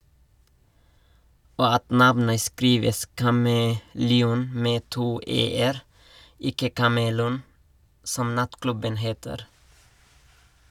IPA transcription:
ˈoː ˈɑt ˈnɑʋnə ˈskɾiːʋəs kɑməlɛˈuːn ˈmeː ˈtuː ˈeːəɾ ˈɪkə kɑməˈluːn ˈsɔm ˈnɑtˌklʉbən ˈheːtəɾ

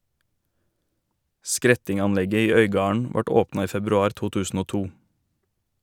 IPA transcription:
ˈskɾɛtɪŋɑnˌlɛɡə ˈiː ˈœʏɡɑːɳ̩ ˈʋɑʈ ˈoːpnɑ ˈiː fɛbɾʉˈɑːɾ ˈtuː ˈtʉːsn̩ ˈoː ˈtuː

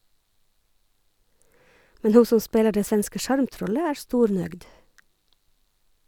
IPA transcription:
ˈmɛn ˈhuː ˈsɔn ˈspeːlɑ ˈɖeː ˈsʋɛnskə ˈʃɑɹmˌtɾɔlə ˈæːɹ ˈstuːɾˌnœɡd

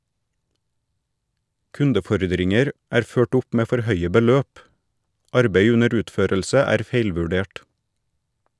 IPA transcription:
ˈkʉndəˌfɔɾdɾɪŋəɾ ˈæːɾ ˈføːʈ ˈʊp ˈmeː ˈfɔɾ ˈhœʏə bəˈløːp ˈɑɾbeɪ ˈʉnəɾ ˈʉːtˌføːɾəlsə ˈæːɾ ˈfeɪlʋʉˌɖeːʈ

